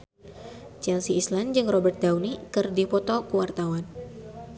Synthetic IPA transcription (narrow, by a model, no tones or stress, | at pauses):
t͡ʃɛlsiːsland͡ʒɨŋrɔbɛrt̪̚dawnikɨrdipɔt̪ɔkuwart̪awan